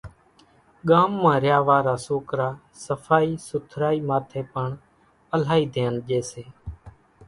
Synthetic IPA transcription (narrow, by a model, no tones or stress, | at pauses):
ɠaːmːãːɾjaːʋaːɾaːsoːkɾaː | səfʰaːiːsʊt̪ʰɾaːiːmaːt̪ʰeːpəɳ | əl̤aːiːd̪ʱeːənʄeːseː